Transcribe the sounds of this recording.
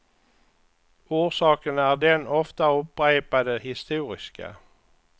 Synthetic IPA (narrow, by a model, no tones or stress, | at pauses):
uːʁsɑːkənæːʁd̪ɛnɔft̪əʊp̚ʁæɪpɑd̪ehɪst̪uːʁɪskə̰